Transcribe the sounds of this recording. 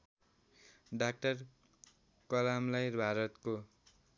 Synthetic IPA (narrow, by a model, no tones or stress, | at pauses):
ɖak̚ʈʌr | kʌlamlʌjrbʱaɾʌt̪ko